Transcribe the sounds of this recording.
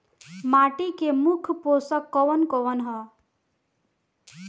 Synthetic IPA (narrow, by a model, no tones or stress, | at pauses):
maʈikemukʰposʌkːʌwʌnkowʌnɦʌ